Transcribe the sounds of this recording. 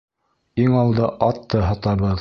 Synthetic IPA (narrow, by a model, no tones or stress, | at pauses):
iŋɑlˠd̪ɤʔɑt̪ːɤɦɑt̪ɑβɤð